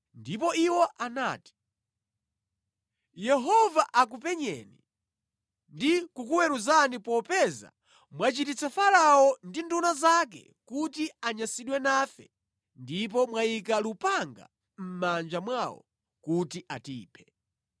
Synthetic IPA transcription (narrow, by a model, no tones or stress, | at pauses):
ndip̬ɔiwɔʔanaːti̥ | jɛɦɔvaʔak̬upɛɲɛ̰ni | ndikukuwɛɾuzanipɔpɛza̰ | mwat͡ʃitit͡sʰafalaɔndindunazak̬ɛ̰ | kutiaɲasiɗwɛnaːfɛ | ndip̬ɔmwaik̬alupaŋɡa̰ | m̩mand͡ʒamwawɔ̰ | kutiʔatḭːpʰɛ̥